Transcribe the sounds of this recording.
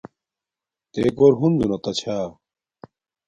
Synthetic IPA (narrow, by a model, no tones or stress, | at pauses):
t̪eːkoɾɦunzunɐt̪ɐt͡ɕʰaː